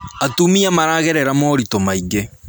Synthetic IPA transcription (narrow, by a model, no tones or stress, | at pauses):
atumiamaɾaːɣeɾɛɾamɔɾitomaiɡe